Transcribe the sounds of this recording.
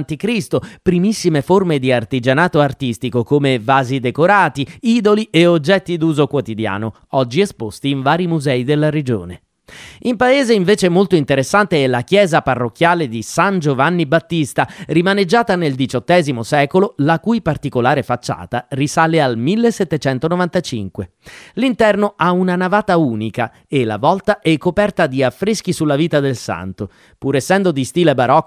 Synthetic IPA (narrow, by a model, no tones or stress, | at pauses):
nt̪ikɾist̪opɾimisːimeformed̪iart̪id͡ʒanaːt̪oart̪ist̪ikokomevaːzid̪ekoɾaːt̪iiːd̪olieod͡ʒːɛt̪ːid̪uːzokwot̪id̪ja̰ːno̰ | ɔd͡ʒːiespost̪iːɱvaːɾimuzɛid̪elːaɾed͡ʒo̰ːne | impaeːzeiɱveːt͡ʃemolt̪oint̪eɾesːant̪eɛlakjɛːzaparːokʲːjaːled̪isand͡ʒovanːibat̪ːist̪arimaned͡ʒːaːt̪aneld̪it͡ʃɔt̪ːɛːzimosɛːkololakujpart̪ikolaːɾefat͡ʃːa̰ːt̪arisaːlealmilːesːet̪ːet͡ʃɛnt̪onovant̪at͡ʃḭŋkwelint̪ɛrnoʔaunanavaːt̪auːnika | elːa̰vɔlt̪aʔɛkːopɛrt̪ad̪iafːɾisk̟isulːaviːt̪ad̪elsa̰nt̪o | puɾesːɛnd̪od̪ist̪iːlebaɾɔkː